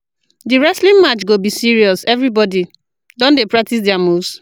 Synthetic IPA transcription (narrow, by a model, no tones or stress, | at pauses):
diɹɛslĩŋmat͡ʃɡobisiɹiɔsɛvɹibɔdi | dɔ̃ndepɹak̚tis̬dɪamos